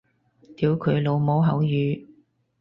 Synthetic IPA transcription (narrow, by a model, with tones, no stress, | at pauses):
t̪iː˨˥wkʰɵ˨˧ɥlo˨˧wmo˨˥wɦɐ˨˥wjyː˨˧